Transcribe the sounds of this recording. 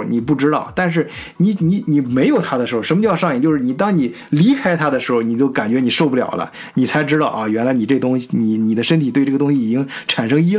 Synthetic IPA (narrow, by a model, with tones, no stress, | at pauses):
ni˨˩pu˥˩ʈ͡ʂɻ̩˥t̪ɑ˥˩ʊt̪a˥˧nʂ̬ɻ̩˥˩ni˨˧˥ni˧˥ni˨˩me˧˥ɪjo˨˩ʊt̪ʰa˥d̪əʂɻ̩˧˥xo˧˩ʂə˧˥mə˧t͡ɕo˥˧jʂɑ˥˧ŋjt͡ɕjo˥˧ʊʂɻ̩˥˩ni˨˩t̪ɑ˥ŋni˨˩ | li˧˥kʰa˥ɪt̪ʰa˥d̪ə˨ʂɻ̩˧˥xo˧ʊni˨˩t͡ɕjo˥˩ʊka˨˩nt͡ɕɥɛ˧˥ni˨˩ʂo˥˧ʊpu˥˩ljɑ̰˨˩ʊlʔə̰˦ | ni˨˩t͡sʰa˧˥ɪʈ͡ʂɻ̩˥ɾɑ˥˧ʊʔɐ˥˧ɥɛ˧˥nla˧˥n˨˩ʈ͡ʂɤ˥˩ɡə˩t̪ʊ˥ŋɕi˨˩ni˨˩ni˨˩d̪ə˦ʂə˥nt̪ʰt̪we˥˧ɪʈ͡ʂɤ˥˩ɡə˩t̪ʊ˥ŋɕi˧i˨˩t͡ɕi˥ŋʈ͡ʂʰa˨˩nʂɤ˥ŋi˥